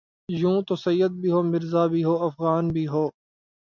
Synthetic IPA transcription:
jũːt̪osɐjːəd̪̚bʱiɦoːmɪɾzaːbʱiɦoːɐfɣaːnbʱiːɦoː

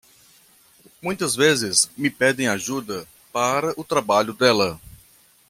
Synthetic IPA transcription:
mũj̃t̪ɐzvezɪzmɪpɛd̪ẽj̃aʒud̪ɐ | paɾɐʔʊt̪ɾabaʎʊd̪ɛlɐ

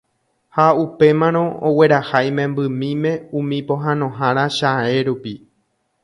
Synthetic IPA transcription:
haupe̞mãɾ̃õ̞owe̞ɾahajmẽ̞mbɨmĩmẽ̞ũmĩpõ̞ɦãnõ̞ɦãɾ̃aʃae̞ɾupi

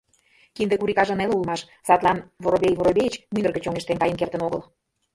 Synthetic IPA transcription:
kind̪ekuɾikɑʒə̆nelulmɑʃ | sɑt̪lˠɑnvoɾoβʲejvoɾoβʲejt͡ɕmynə̆rɣə̆t͡ɕoŋeʃt̪enkɑjənkert̪ə̆noɣəl

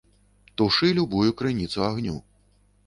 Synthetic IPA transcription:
t̪uʂɨlʲubujukɾɨnʲit̪suaɣnʲṵ

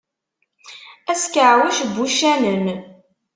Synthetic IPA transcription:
æskəʕwæʃbːuʃænən

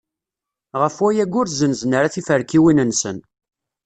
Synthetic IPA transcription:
ʁəfwæjæɡʊɾzənznəɾaθifəɾkiwinənsən

